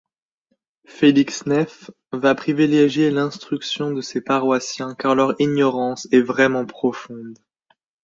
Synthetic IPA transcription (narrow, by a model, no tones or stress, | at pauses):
feliksnɛf | vapχivileʒjelɛ̃st̪χyksjɔ̃d̪əsepaʁwasjɛ̃kaʁlœʁiɲɔʁɑ̃sɛvʁɛmɑ̃pχɔfɔ̃d̪